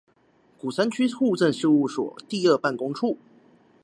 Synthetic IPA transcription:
ku˨˩sa˥nt͡ɕʰy˥xu˥˧ʈ͡ʂə˥˧nʂɻ̩˥˧u˥˩swɔ̰˨˩t̪i˥˧ə˥˧pa˥˩nkʊ˥ŋʈ͡ʂʰu˥˩

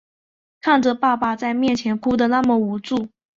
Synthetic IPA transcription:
kʰa˥˩nʈ͡ʂə˨˩pa˥˩pa˨˩t͡sa˥˧ɪmjɛ˥˩nt͡ɕʰjɛ˧˥npʰu˥d̪ə˨na˥˩mə˩u˨˧˥ʈ͡ʂu˥˩

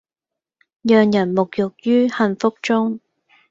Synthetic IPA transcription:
jœː˨ŋjɐ˨˩nmʊ˨k̚jʊ˨k̚jyː˥hɐ˧nfʊ˥k̚t͡sʊ˥ŋ

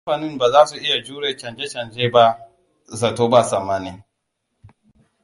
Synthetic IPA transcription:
ɸaː˨nɪ˦mbaː˨zaː˦su˨ʔɪ˦ja˨d͡ʒuː˦ɽeː˨t͡ʃɐ˨nd͡ʒe˦t͡ʃɐ˨nd͡ʒeː˦ba˦ | za˨toː˦ba˦˨sɐ˨mːa˦ni˦

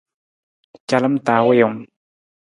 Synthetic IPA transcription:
t͡ɕa˨la˦˨mt̪a˨we˦jɔ˨ŋ

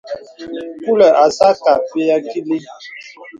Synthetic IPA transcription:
ku˦lɛ˨ʔa˨sa˦ka˨pe˦ja˦ki˦li˦

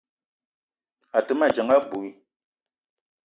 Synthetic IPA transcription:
a˨tə˨˦ma˨d͡ʒə˨ŋa˦bu˨i˦

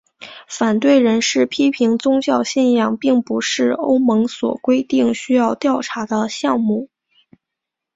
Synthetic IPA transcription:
fa˨˩nt̪we˥˩ɪɻə˧˥nʂɻ̩˥˩pʰi˥pʰi˧˥ŋt͡sʊ˥ŋt͡ɕjɑ˥˧ʊɕɛ˥˧njɑ˥˩ŋpi˥˩ŋpu˧˥ʂɻ̩˥˩o˥ʊmɤ˧˥ŋswɔ̰˨˩kwe˥ɪt̪i˥˩ŋɕy˥jɑ˥˧ʊt̪jɑ˥˩ʊʈ͡ʂʰa˧˥d̪ə˧ɕjɑ˥˧ŋmu˥˩

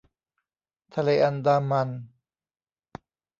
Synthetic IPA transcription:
t̪ʰa˧le˧ʔa˧nd̪aː˧ma˧n

